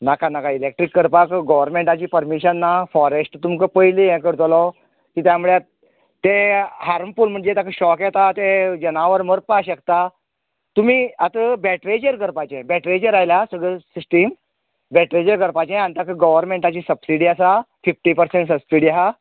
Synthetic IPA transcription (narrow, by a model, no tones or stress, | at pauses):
nakanakailek̚ʈɾikːəɾpakɡəʋəɾmẽɳʈat͡ɕiːpəɾmiɕənːafɔɾesʈt̪umkəpəjlijɛ̃kəɾt̪lɔ | kit̪jamuɭe | t̪eɦaɾmpulm̤əɳd͡zet̪akʰəɕɔkjɛt̪at̪ed͡ʑənaʋəɾməɾpaɕəkt̪a | t̪umiːat̪əbɛʈɾed͡ʑəɾɡəɾpat͡ɕẽbɛʈɾed͡ʑəɾajlasəɡɭəsisʈim | bɛʈɾed͡ʑəɾɡəɾpat͡ɕẽant̪akəɡəʋəɾmeɳʈat͡ɕiːsəbsiɽiasafifʈipəɾsẽɳʈsəbsiɽiaɦa